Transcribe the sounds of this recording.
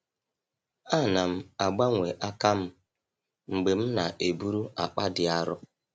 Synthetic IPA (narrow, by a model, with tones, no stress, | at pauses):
a˦˨na˨m̩˦a˨ɡ͡ba˦ŋʷe˨ʔa˦ka˦m̩˦ | ŋ͡m̩˨ɡ͡be˨m̩˦na˨ʔe˨bu˦ɾu˦ʔa̰˨k͡pa˦dɪ˨a˦ɾʊ˦